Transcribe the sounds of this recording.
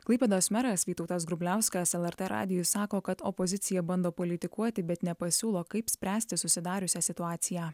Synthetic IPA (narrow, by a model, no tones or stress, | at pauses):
klˠɐɪpʲɛd̪oːsʲmʲɛɾɐsʋʲiːt̪ɔʊt̪ɐs̬ɡɾʊbʲlʲæˑʊsʲkɐːsɛlˠɛɾʲt̪ʲɛɾʔɑ̰ːd̪ʲɪjʊsɑːkoːkɐt̪ɔpɔzʲɪt̪sʲɪjɛbɐnd̪oːpɔlʲɪt̪ʲɪkuɔt̪ʲɪbʲɛt̪nʲɛpɐsʲuːlˠoːkɐɪpsʲpʲɾʲæːsʲt̪ʲɪsʊsʲɪd̪ɑːɾʲʊsʲæːsʲɪt̪ʊɑːt̪sʲɪjæː